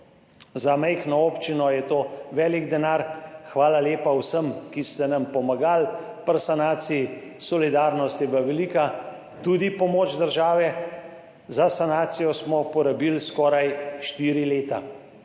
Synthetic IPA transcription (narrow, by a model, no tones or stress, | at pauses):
zamɛjxnɔopt͡ʃinɔjɛt̪oːʋɛːliɡd̪ɛnaɾxʋaːlaleːpawsəmkist̪ɛnampɔmaɡalpəɾsanaːt̪sii | sɔlid̪aːɾnɔst̪jɛʋaʋɛliːka | t̪ud̪ipɔmoːt͡ʃd̪əɾʒaːʋɛ | zasanaːt̪sijɔsmɔpɔɾabilskɔːɾajʃt̪iːɾileːt̪a̰